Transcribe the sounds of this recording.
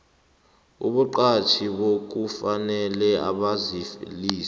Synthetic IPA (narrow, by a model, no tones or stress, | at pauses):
ṵɓuǃat͡ʃʰiɓok̬ufanɛlɛa̰ɓazifliːs